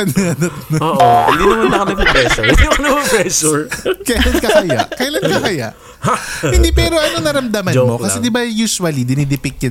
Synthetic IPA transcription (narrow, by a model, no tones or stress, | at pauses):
ɐnɐnɐt̪̚nɐohɪ̰nd̪inɐmanlːɐkɐnɐpɐpɾɛsiɐnɐpɐpɾɛsʊɹkɐjlankɐkɐja̰ʔkɐjlɐnkɐkɐja̰ʔ | hɪnd̪ipɛːɾo̞ʔɐnonɐɾɐmd̪ɐmɐmo̞kɐsɛd̪ɪbɐjuːsʊwɐlid̪ɪnid̪ɪpɪk̚ɲɐ